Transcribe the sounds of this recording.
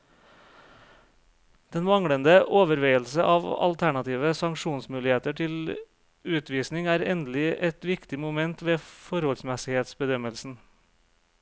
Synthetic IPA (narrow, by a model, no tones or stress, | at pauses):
d̪̥ɛnʋɑŋɽənd̪əʔoːʋəɾʋeɪəlsəʔɑːʋɑ̰lt̪ʰæɳɑt̪ʰiːʋəsɑŋʃuːnsmʉːlɪheːt̪əʈʰɪl | ʉːt̪ʋiːsnɪŋæːɾɛnd̪lɪʔɛt̪ʋɪkt̪ɪmʊmɛnt̪ʋeːfɔɾhɔlsmɛsɪheːt̪sbəd̪œməlsn̩